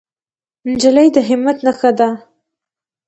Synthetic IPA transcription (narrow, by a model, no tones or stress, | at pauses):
nd͡ʒalajd̪əɦɪmːat̪naxad̪a